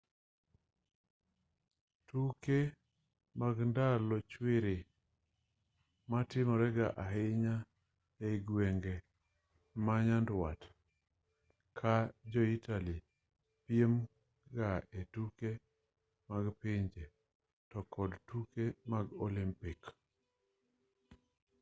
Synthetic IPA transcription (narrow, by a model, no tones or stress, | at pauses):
tuke | maɡndalɔt͡ʃwɪɾɪ | matɪmɔɾɛɡaʔaɦɪɲa | eɡweŋɡe | maɲandwa̰t | kʰad͡ʒɔitali | pjem | ɡaetuke | maɡpɪɲd͡ʒe | tɔkɔdtukemaɡɔlimpik